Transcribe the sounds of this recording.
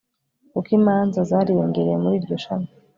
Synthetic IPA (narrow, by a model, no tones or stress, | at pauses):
kukimaːnzazaɾijoŋɡeɾejemuɾiːɾɟo̞ʃana